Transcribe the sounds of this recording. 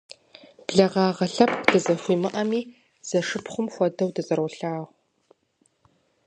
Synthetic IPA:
b̥ɮɐʁɑːʁɐɬɐpʰdɨzɐxʷiːmɨʔɐmiː | z̥ɐʂɨpχʷʊmxʷɔdɐwdɐzɐɾwɬaːʁʷ

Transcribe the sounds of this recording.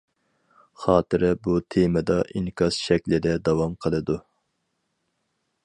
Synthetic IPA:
χɑːt̪ɨɾɪbut̪ʰemɪd̪ɑʔiŋkʲʰɑsʃɛkʲlɪd̪ɛd̪ɑwɑmqʰəlˠɨd̪u

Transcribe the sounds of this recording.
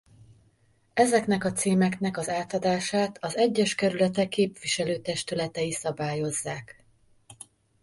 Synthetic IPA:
ɛzɛknɛkɒt̪seːmɛknɛkɒzaːt̪ɒd̪aːʃaːt̪ʰɒzɛɟːɛʃkɛɾylɛt̪ɛkːeːpviʃɛløːt̪ɛʃt̪ylɛt̪ɛjisɒbaːjo̞zːaːk

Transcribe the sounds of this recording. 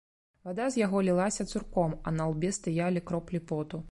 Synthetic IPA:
vad̪azʲjaɣɔlʲilˠasʲɐt̪surkɔmɐ̰nalˠbʲɛst̪ɨjalʲikɾɔplʲipɔt̪u

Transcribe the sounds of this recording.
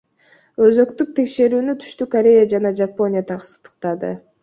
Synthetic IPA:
ø̞zø̞kt̪yk̚t̪ʰe̞kʃe̞ɾyːnyt̪ʰy̥ʃt̪ykoɾʲe̞jad͡ʒɑnɑd͡ʒapo̞nʲɪjat̪ʰɑqsə̥t̪ə̥qt̪ɑd̪ɯ̰

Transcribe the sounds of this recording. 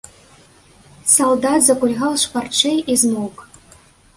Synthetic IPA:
sɐlˠd̪at̪zɐkulʲɣalˠʂpart͡ʃejizmuk

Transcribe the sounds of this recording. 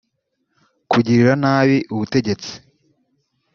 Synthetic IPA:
kuɟiɾiɾanaːβiʔuβute̞ɟe̞t͡si̥

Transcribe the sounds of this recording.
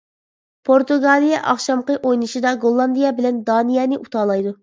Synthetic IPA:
pʰoɾt̪uɡɑlˠijɛʔɑχʃɑmqəʔojnɨʃɨd̪ɑɡolˠːɑnd̪ijɛbɪlɛnd̪ɑːnijɛnɪʔut̪ʰɑːlˠɑjd̪u

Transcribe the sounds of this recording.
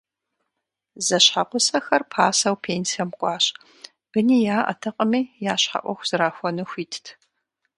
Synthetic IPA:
zɐɕħaqʷʊsɐxɐrpʰaːsɐwpʰeːnsijɐmqʷʼɑːɕ | b̥ɨniːjaːʔɐ̰tʰɐqʼəmiːjaːɕħa̰ʔʷɔxʷz̥ɨɾaːxʷɔnɨxʷiːtʰtʰ

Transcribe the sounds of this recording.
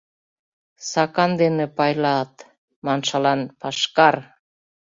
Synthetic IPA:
sɑkɑnd̪enĕpɑjlɑt̪ | mɑnʃɑlɑnpɑʃkɑr

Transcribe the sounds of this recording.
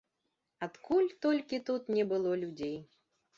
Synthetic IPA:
at̪kulʲt̪ɔlʲkʲit̪ut̪nʲɛbɨlˠɔlʲud͡zʲej

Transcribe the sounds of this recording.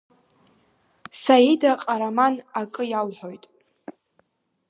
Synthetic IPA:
sajidaqʼaɾamanakʼɨjalħʷo̞jtʼ

